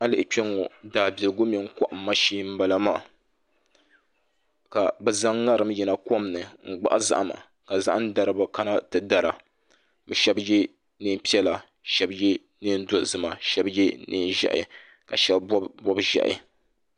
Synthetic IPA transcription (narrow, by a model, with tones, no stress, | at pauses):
a˦lɨ˨ʔɪ˨k͡pɛ˦ŋo˨daː˨bi˨lɨ˨ɡʊ˦mi˨˦ŋ̩˦ka˦ʔm̩˦ma˦ʃiː˦m̩˦ba˨la˦maː˨ | ka˨bɛ˨za˦ŋːa˦ɾɨ˨mjɛ˨na˨ko˦m˨nɨ˨ŋ̩˨ɡ͡ba̰˦ʔa˦za̰˦ʔa˦˨ma̰˨ | ka˨za̰˦ʔa˦n˦da˨ɾɨ˨ba˨ka˦na˦tɨ˨da˨ɾa˨ | bɛ˨ʃɛ˦bjɛ˦ | nɨ˦m˦pi˦ɛ˦la˨ | ʃɛ˦bjɛ˦ | nɨ˦n˦do˦˨zɨ˨ma˨ʃɛ˦bje˦nʔɨ̰˦n˦ʒɛ̰˦ʔɪ̰˨ | ka˨ʃɛ˦lbɔ˦bʒɛ̰˨ʔɪ̰˨